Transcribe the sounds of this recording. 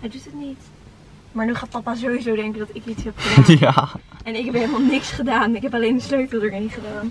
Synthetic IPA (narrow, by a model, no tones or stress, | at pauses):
ɦɛjdutətnit | maːɹnyχaːt̚pɑpazowizowdɛŋkədɑtɪkitsɦɛpχədaaɛnɪkɦɛpɦejləmaːlˠnɪksχədaːnɪkɦɛpalejnəsløɥtəlˠdəɡənitχədaːn